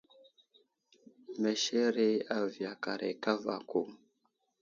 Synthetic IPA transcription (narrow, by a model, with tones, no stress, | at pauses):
me˨ʃe˦ɾe˦a˦˨vi˨a˨ka˨ɾḛ˨ka˦va̰˨ku˦˨ŋ